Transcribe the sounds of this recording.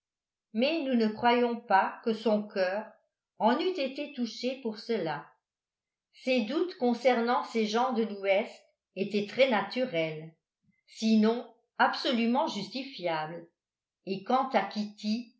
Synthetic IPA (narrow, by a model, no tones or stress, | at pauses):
mɛnunəkχwajɔ̃pakəsɔ̃kʰœːʁ | ɑ̃nyt̪et̪et̪uʃepuʁsəla | sed̪ut̪kɔ̃sɛʁnɑ̃seʒɑ̃d̪əluɛst̪ | et̪ɛt̪χɛnat̪yʁɛl | sinɔ̃ | apsolymɑ̃ʒyst̪ifjaːbl | ekɑ̃t̪akʲit̪i